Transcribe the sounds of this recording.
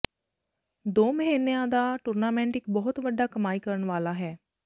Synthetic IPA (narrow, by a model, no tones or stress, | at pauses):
d̪oːməɦeːnːejãːd̪aːʈʊɾnaːmɛ̃ɳʈɪkbɔːɦʊt̪ʋəɖaːkəmaːiːkəɾəɳʋaːlaːɦɛː